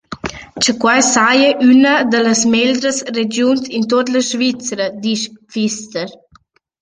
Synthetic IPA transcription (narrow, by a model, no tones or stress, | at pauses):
t͡ʃəkwajsajəʔynəd̪ələsmeld̪ɾəsred͡ʒjuntint̪ot̪ləʃvit͡sɾəd̪iʃfist̪əɾ